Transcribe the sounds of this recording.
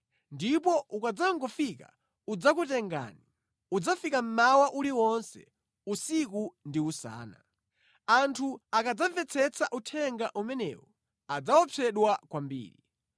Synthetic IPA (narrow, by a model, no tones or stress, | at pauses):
ndipɔʔukad͡zaŋɡɔfika̰ | ud͡zakutɛŋɡa̰ːni | ud͡zafikam̩mawaʔuliwɔnsɛ̰ | usikundiusa̰ːna̰ | antʰuakad͡zavɛt͡sʰɛt͡saʔutʰɛŋɡaʔumɛnɛ̰wɔ | ad͡zawɔpʰɛɗwakwambḭːɾḭ